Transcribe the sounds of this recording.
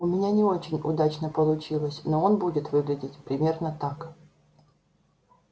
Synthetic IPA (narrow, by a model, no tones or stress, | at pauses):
ʊmʲɪnʲanʲɪo̞t͡ɕɪnʲʊd̪at͡ɕnəpəlˠʊt͡ɕilˠəsʲnoonbudʲɪt̪vɨɡlʲɪdʲɪtʲpɾʲɪmʲe̞rnət̪ak